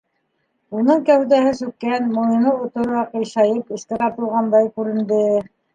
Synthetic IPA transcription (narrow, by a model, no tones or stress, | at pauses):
unɤɴkæhd̪æhɘsʉkːænmoinɤut̪ŏɾoɑqɤ̆jʃɑjɤpɘ̆ʃkæt̪ɑt̪ɤ̆lˠʁɑnd̪ɑjkʉɾɘ̆nd̪ɘ